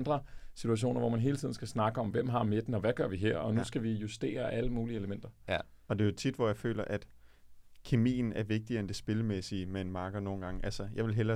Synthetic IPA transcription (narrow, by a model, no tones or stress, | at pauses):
nd̥ʁɐsit͡sʰuæɕ̬o̝̰ːnɐʋɒmænɦe̝ːlət͡sʰḭðˠn̩sɡ̥æsnɑ̈ɡ̥əɒ̽mʋem̰ɦɑ̈me̝d̥n̩ɒ̽ʋæɡ̥ɶɐʋiɦeɐ̰ɒ̽nusɡ̥æʋijusd̥e̝̰ːɐʔæləmuːlie̝ləmen̰d̥ɐ | ɒ̽d̥e̝jo̝t͡sʰid̥ʋɒjɑ̈ɪfø̰ːlɐʔæd̥ | kʰe̝mḭːn̩æɐʋe̝ɡ̥̚d̥iɐend̥e̝sb̥e̝ləmesimeenmɑ̈ːɡ̥ɐno̝ːn̩ɡ̥ɑ̈ŋʔælsəjɑ̈ɪʋe̝lɦelɐ